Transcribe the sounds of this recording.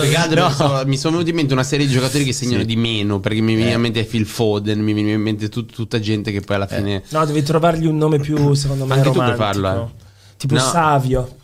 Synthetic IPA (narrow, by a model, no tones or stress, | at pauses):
ɡad̪oɔsɔmisonovenut̪iment̪eunasɛːɾjed̪id͡ʒokat̪oːɾikesːeɲːanod̪imeːnoperkemiveniimːent̪ɛfilfod̪enmiveniaimːent̪et̪ut̪ːt̪ut̪ːad͡ʒɛnt̪ekepːɔjalːafḭːnenɔd̪ɛːvit̪ɾovarʎiunːoːmepjus̬ekond̪omaket̪uapɔfarloɛo | t̪iːponɔavjo